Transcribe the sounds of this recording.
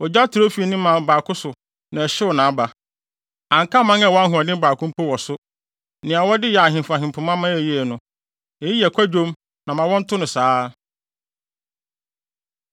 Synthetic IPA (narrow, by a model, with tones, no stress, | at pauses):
ɔ˨d͡ʑa˦tʰʊ˨ɾo˦fi˦˨nĩ˦mã˨m˨baː˨kʰʊ˦sʊ˨ | nã˨ɛ˨ɕɪ˦ɔ˨nãː˨a˦ba˨ | ã˨ŋ˨ka˦mã˦ŋɛ˦˨wɔ̃˦a˦ɦʊ̃˨a˨dɪ̃˦baː˨kʰʊ̃˦m˦pʰo˦wɔ˨sʊ˦ | nɪ̃˨a˨wɔ˦dɪ˦ja˨ɦɪ̃˨m˨fa˨ɦɪ̃˨mpʰʊ˨mã˦mã˦ɛ˨ji˦ɛ˨nʊ̃˨ | e˨ji˦ɛ˨kʷʰa˦d͡ʑᶣo˦m | nã˨mã˨wɔ̃˦n̩˦tʰʊ˦nʊ̃˨saː˦